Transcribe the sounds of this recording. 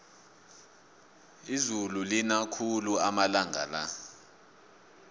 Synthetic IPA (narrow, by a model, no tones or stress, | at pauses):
izululinakʰuluamalaŋʱa̰la